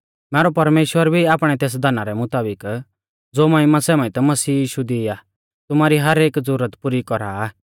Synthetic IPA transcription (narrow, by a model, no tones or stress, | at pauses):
mɛːɾɔpɐɾmeːʃwəɾbʱiaːpɽ̃ɛt̪eːs̬d̪anaɾɛmʊt̪aːbɪk | d͡zoːmãĩmãsɛmãĩt̪ɛmɐsiːjiːʃud̪ia | t̪ʊmaːɾiɦɐɾeːkd͡zʊɾət̪puɾikɔɾaː